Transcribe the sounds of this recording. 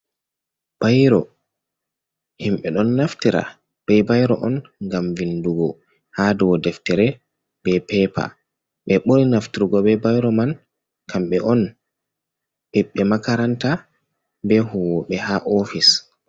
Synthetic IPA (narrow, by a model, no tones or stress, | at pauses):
b̥ajɾɔ | himɓɛɗɔnːaftiɾa̰ | b̥ɛjbajɾɔʔɔnŋɡamvinduɡɔ | hadɔwɔdɛftɛɾɛ | bɛpɛpa̰ | ɓɛɓoɾinaftiɾuɡɔbɛbajɾɔman | kʰamɓɛʔɔn | ʔɛɓːɛmakaɾanta | bɛhuwɔɓɛhaʔɔfis